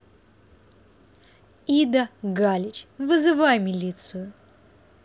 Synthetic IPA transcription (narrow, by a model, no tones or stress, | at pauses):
id̪əɡalʲɪt͡ɕʲvɨzɨvajmʲɪlʲit̪sɨjʊ